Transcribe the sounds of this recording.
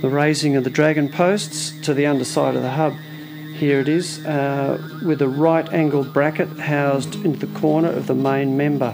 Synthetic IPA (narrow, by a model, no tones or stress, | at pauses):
ðəɹeɪzɪ̃ŋʌvðɨdɹæɡɨ̃npʰoʊststʰɨðiʌ̃ndə˞saɪɾʌ̰vðəɦʌb̥̚ | hiɹɨɾɪz̥ | wɨðɨɹaɪɾæ̃ŋɡl̩ˠbɹækɨt̚haʊzdɪ̃ntʉðɨkʰɔɹnə˞ʔʌ̰vðəmẽɪ̃nmɛ̃mbə˞